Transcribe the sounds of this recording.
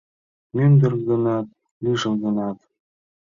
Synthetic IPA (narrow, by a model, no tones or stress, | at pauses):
mynd̪ɘ̆rɡɤ̆nɑt̪̚ | liʒɤ̆mɣɤ̆nɑt̪